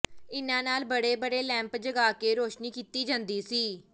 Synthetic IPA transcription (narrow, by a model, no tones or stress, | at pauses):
ɪnãːnaːlbəɽeːbəɽeːlɛ̃ːmpd͡ʒəɡaːkeːɾoːʃniːkiːt̪iːd͡ʒãːnd̪iːsiː